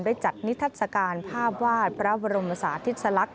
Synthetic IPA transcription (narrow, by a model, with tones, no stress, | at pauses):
ndaː˥˩jt͡ɕa˨˩t̪̚ni˦˥t̪ʰːaː˥˩t̪̚sa˧kaː˧npʰaː˥˩p̚waː˥˩t̪̚pʰɾa˦˥ba˧ɾo˧mʔa˧saː˩˦t̪ʰi˦˥t̪̚sa˧la˦˥k̚